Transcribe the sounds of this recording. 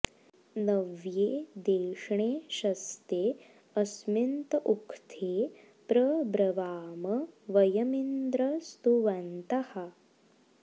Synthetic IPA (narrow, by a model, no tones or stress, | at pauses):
nɐʋjeːd̪eːʂɳeːʃɐst̪eː | ɐsmint̪ʔukʰt̪ʰeː | pɾɐbɾɐʋaːmɐʋɐjɐmind̪ɾɐst̪uʋɐnt̪ɐhɐ